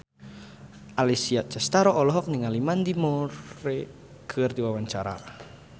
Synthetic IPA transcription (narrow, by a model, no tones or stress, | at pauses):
ʔalisiaʔ̚t͡ʃast̪aɾɔʔɔlɔɦɔk̚niŋalimand̪imoɾe | ɡ̥ərt̪iwawaɲt͡ʃaɾa̰